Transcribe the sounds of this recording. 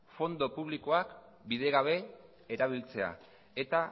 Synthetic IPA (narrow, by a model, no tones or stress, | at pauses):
fo̞nd̪o̞puβ̞liko̞ak | bið̞e̞ɣaβ̞e̞ | eɾaβ̞ilt͡se̞a̰ | e̞t̪a